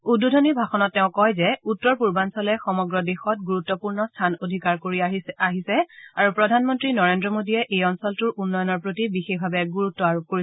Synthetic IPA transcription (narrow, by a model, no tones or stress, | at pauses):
ududʱonibʱaxɔnɔtːɛʊ̃kɔjzɛutːɔɹpuɹbansɔlɛxɔmɔɡɹɔdexɔt̚ɡuɹutːɔpuɹnɔstʰanodʱikaɹkoɹiaaɦisɛaɹupɹɔdʱanmɔntɹinɔɹendɹɔmodijɛʔejɔnsɔltuɹunːɔjɔnɔɹpɹotibixexbʱabɛɡuɹutːɔaɹop̚koɹis